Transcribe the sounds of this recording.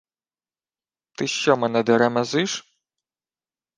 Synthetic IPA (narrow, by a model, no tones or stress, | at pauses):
t̪ɨʃːɔmɐnɐd̪ɐɾɐmɐzɨʂ